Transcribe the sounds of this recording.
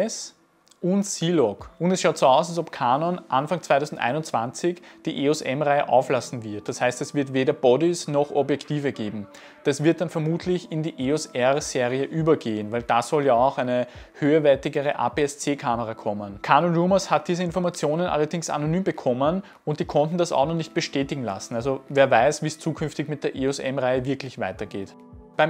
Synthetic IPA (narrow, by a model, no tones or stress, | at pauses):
ɛs | ʊntsiːlɔkʊndɛsʃaʊtsoːaʊsalsɔpkʰaːnɔnʔanfaŋt͡svaɪtʰɔʊzn̩dʔa̰ɪnʊnt͡sv̥ant͡sɪçd̥iːʔeɔsɛmʁaɪəʔa̰ʊflasn̩vɪɐt̚d̥ashæɪstɛsv̥ɪɐtveːdɐb̥ɔdɪsnɔxʔɔbjɛktiːvəɡeːbm̩ | d̥asv̥ɪɐt̚d̥anfɛɐmuːtʰlɪçɪndiːʔeɔsɛʁz̥eːʁiəʔyːbɐɡeːənvæɪld̥asɔljaaʊxæɪnəhøːɐvɛɐtɪɡəʁəʔa̰ːpeɛst͡seːkʰaməʁakʰɔmənkʰaːnənʁuːməshat̚d̥iːzəɪnfɔɐmat͡sjoːnənʔa̰lɐdɪŋsa̰nonyːmbəkʰɔmən | ʊnt̚d̥iːkʰɔntn̩dasa̰ʊnɔχnɪçt̚b̥əʃtɛːtɪɡŋ̩la̰sn̩alzoveːɐvaɪsv̥iːst͡suːkʰʏnftɪçmɪt̚d̥eːɐʔeːɔsɛ̰mʁaɪəvɪɐklɪçvaɪtɐɡ̥eːt | b̥æɪm